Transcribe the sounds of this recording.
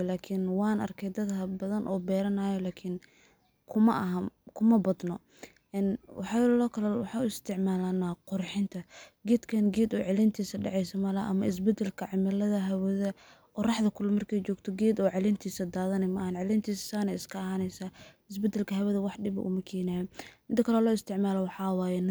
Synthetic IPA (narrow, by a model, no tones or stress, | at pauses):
laːkʰɪnwɑːnʔɐ̰rkʰɛjd̪ɐd̪hɐbɐðɐnʔɔ̰ːbɛːɾɐnaːjɔlaːkʰɪn | kʰʊmɐʔɐɦɐkʰʊmɐbɐd̪nɔ | ʔɛnwɑħɑlɔːkʰɐlɐwɑħɑːuɪst̪ʰɪʕmaːlɐnaqʊrħɪnt̪ʰɐɡɛːd̪kʰɐnɡɛːd̪ɔːʕɛlɪnt̪ʰiːsɐɖɑ̰ʕɛjsɐmɐlɐʔɐ̰mɐɪs̬bɛd̪ɐlkʰɐʕɪmɐlɐðɐɦɐwɔðɐ | qʊrɑħðɐkʰʊlɐmːɐrkʰɛjt͡ʃɔːɡt̪ʰɔɡɛːd̪ɔːʕɛlɪnt̪ʰiːsɐd̪aːðɐnɛmɐʔːhɐnʕɛlɪnt̪ʰiːsɐ̥saːnɛɪskʰɐɐhaːnɛjsaːɪs̬bɛd̪ɐlkʰɐɦɐwɐðɐwɑħɖɪbɐ̰ʔʊ̰mɐkʰɛːnaːjɔmɪnt̪ʰɐkʰɐlɛlɔːɪst̪ʰɪʕmaːlɔwɑħɑwaːjɛn